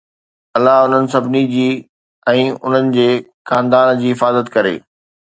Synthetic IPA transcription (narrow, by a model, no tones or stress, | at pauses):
ɐlːaɦʊn̤ənɪ̆sɐbʱɪnid͡ʑiː | ɛ̃ːʊ̰n̤ənɪ̆d͡ʑeː | xãːnd̪aːnd͡ʑiːɪfaːzət̪kɐɾḛː